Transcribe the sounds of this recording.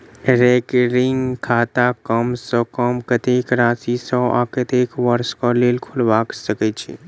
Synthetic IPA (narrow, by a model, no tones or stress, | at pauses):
ɾeːkɾɪŋɡkʰaːt̪akəmsɔkəmkət̪eːkɾaːsisɔʔa̰kət̪eːkʋəɾskɔleːlkʰʊlʋaːksəket͡ʃʰḛ